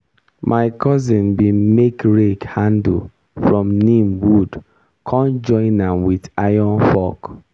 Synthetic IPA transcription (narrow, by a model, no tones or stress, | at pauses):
mʔaɪkɔzɪ̃nbimekɹekhãnd | fɹɔ̃mnimwud | kʰɔ̃nd͡ʒɔ̃ɪ̃nãmwidajɔnfɔk